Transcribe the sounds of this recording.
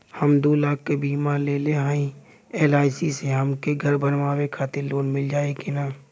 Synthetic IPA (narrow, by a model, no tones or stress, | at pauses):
həmd̪oːlaːk̚ʰːebiːmaleːleɦaːĩ | eːlaːɪsiseɦəmkeɡʱəɾbənmaːwekʰaːt̪ɪɾloːnmɪld͡ʒaːekenaː